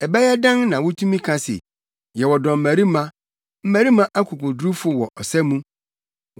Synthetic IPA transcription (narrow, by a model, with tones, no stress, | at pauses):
ɛ˨bɛ˦jɛ˦dã˦nnã˨wɔ˦tʰũ˦mĩ˦kʰã˨sɪ̰˨ | jɛ˨wɔ˨dɔ̃˨m̩˨mæ̃˨ɾi˦mã˦ | m̩˦mæ̃˨ɾi˦mã˦ʔa˦kʰu˨kʊ˨dɾu˦fʊ˦wɔ˨ʔɔ˨sɛ˦mũ˦